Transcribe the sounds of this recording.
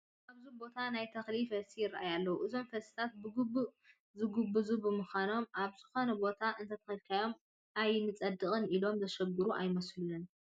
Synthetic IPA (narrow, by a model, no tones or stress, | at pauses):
ʔaβzubo̞t̪ʰanajt̪ʰɐxlifɐsijɪrːajalːɐwuʔɨzo̞mfɐsi̥t̪ʰat̪̚bɨɡubːuʔ | zɨɡɨbːɨzubɨmɨxʷano̞mʔaβzɨxo̞nɐbo̞t̪ʰaʔɨnt̪ʰɐt̪ʰɐxɨlkʰajo̞m | ajnɨt͡sʼɐd̪ɨkʼɨnilo̞mzɐʃɐɡɨɾuʔajmɐslunɐn